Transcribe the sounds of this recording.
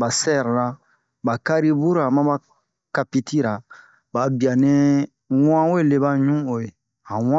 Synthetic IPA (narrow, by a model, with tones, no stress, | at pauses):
ba˨sɛ˦˨ɾɾa˨ | ba˨ka˦ɾi˦bu˦ɾa˨mã˦ba˦ | ka˨pi˦ti˦ɾa˨ | ba˨bi˨a˨nẽ˦ | w̃ã˦wo˦e˦˨le˨ba˦ɲũ˦o˨je˨ | hã˨wã˦